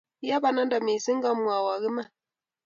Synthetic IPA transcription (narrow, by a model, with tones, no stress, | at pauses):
ja˦ba˨na˦n˦da˨mi˨si˦ŋɡa˦mu˨a˨wa˨ɣi˦ma˦˨